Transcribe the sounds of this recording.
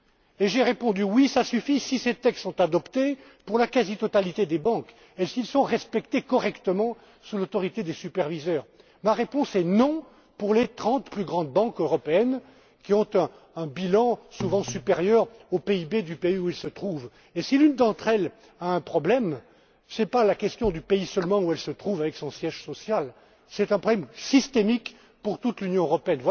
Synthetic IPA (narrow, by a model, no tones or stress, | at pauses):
eʒeʁepɔ̃d̪ywisasyfisiset̪ɛkssɔ̃t̪ad̪ɔpt̪e | puʁlakazit̪ɔt̪alit̪ed̪ebɑ̃k | esiilsɔ̃ʁɛspɛkt̪ekɔʁɛkt̪əmɑ̃ | sulot̪ɔʁit̪ed̪esypɛʁvizœːʁ | maʁepɔ̃sɛnɔ̃ | puʁlet̪χɑ̃t̪plyɡʁɑ̃d̪bɑ̃køʁɔpeɛn | kʲiɔ̃t̪ɛ̃ | ɛ̃bilɑ̃suvɑ̃sypeʁjœʁopeibed̪ypeiuilsət̪χuv | esilynd̪ɑ̃t̪χɛl | aɛ̃pχɔblɛm | sɛpalakʲɛst̪jɔ̃d̪ypeisœlmɑ̃uɛlsət̪χuvavɛksɔ̃sjɛʒsɔsjal | sɛt̪ɛ̃pχɔblɛmsist̪emik | puʁt̪ut̪lynjɔ̃øʁɔpeɛnvwa